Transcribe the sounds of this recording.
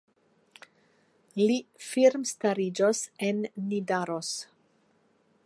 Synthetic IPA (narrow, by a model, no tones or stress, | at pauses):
lifiɾmstaɾid͡ʒosenːidaɾos